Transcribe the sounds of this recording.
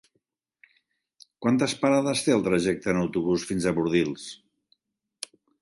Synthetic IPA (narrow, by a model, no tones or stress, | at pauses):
kwant̪əspaɾaðəst̪eəlˠt̪ɾəʒɛk̚t̪əːnəwt̪uβusfinzəβuɾðilˠs